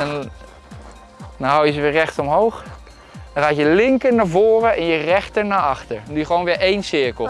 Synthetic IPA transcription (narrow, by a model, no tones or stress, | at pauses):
ɛn | dɔnɦawjəzəʋɪːɹrɛχtɔmɦowχ | dɦaːtjəlɪŋkəɹnaːɹvʊːrəʔɛnjərɛχtəɹnaːɑχtəɹndujəχəʋownʋɪːɹʔejnsɪɹkəlˠ